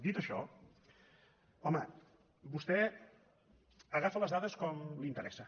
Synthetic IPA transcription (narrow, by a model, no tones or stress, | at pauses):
d̪it̪əʃɔ̰ | ɔmə | bust̪ɛ | əɣafələzðaðəskɔmlint̪əɾɛsə